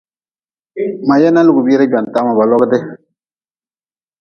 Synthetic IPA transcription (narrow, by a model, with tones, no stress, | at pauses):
ma˨jɛ˦na˦lɪ˦˨ɡu˨biː˦ɾɪ˦d͡ʒɔ˨n˨ta˦ma˨ba˨lɔ˦ɡɪ˦dɪ˦